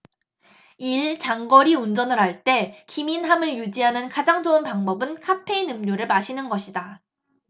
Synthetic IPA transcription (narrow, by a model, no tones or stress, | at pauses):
iɭt͡ɕaŋɡʌɾiund͡ʑʌnɯɾɦaɭt͈e̞kiminɦamɯɭjud͡ʑiɦanɯnkad͡ʑaŋd͡ʑounpaŋbʌbɯnkʰapʰe̞inɯmɲoɾɯɭmaɕʰinɯnɡʌɕʰida